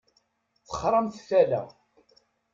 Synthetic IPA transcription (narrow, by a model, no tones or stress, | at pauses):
θə̥χɾˤɑmθfælæ̰